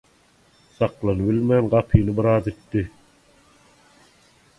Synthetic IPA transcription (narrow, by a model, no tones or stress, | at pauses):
sɑqlˠɑnɯbilmæːnɢɑpʰiːnɯbiɾɑːzit̪ːi